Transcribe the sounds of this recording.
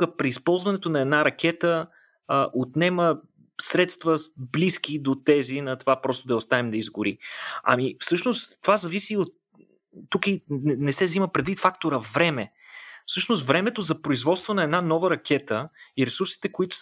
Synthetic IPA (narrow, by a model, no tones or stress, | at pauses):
ɡəpɾiːspɔlˠzvɐnɛt̪onɐɛd̪naɾɐkʰɛt̪ə | ʔot̪nɛmə | sɾɛt̪st̪vəblisk̟id̪ot̪ɛzinɐt̪ovapɾɔst̪od̪ɐɛost̪avɛmd̪ɐizɡʊɾiɐ̰mifsɤʃnost̪ːovazɐvisiot̪ː | ukiɛnɛsɛvziməpɾɛd̪vit̪fakt̪oɾəvɾɛmɛ | fsɤʃnost̪vɾɛmɛt̪ozɐpɾoizvɔt̪st̪vonɐɛd̪nanɔvəɾɐkʲɛt̪əiɾɛsuɾsi̥t̪ɛkoit̪ʊ̥